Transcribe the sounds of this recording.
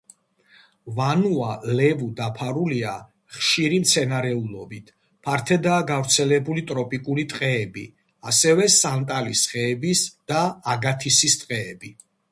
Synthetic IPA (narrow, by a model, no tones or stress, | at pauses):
vanualɛvud̪apʰaɾulia | χʃiɾimt̪sʰɛnaɾɛulˠɔbit̪ʰ | pʰaɾt̪ʰɛd̪aːɡavɾt̪sʰɛlɛbulit̪ʼɾɔpʼikʼulit̪ʼqʼɛːbḭ | asɛvɛsant̪ʼalisχɛːbisd̪̥aːɡat̪ʰisist̪ʼqʼɛːbi